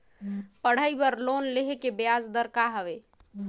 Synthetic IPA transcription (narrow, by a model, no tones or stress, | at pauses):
pəɽ̤əjbəɾlonleɦekebjad͡ʒd̪əɾkaɦəβe